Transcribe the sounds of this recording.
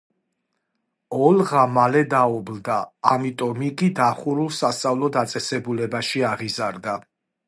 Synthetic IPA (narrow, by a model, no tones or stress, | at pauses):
ɔlʁamalɛd̪aɔbld̪aːmit̪ʼɔmikʼid̪aχuɾulˠsast̪sʼavlˠɔd̪at̪sʼɛsɛbulɛbaʃiaʁizaɾd̪a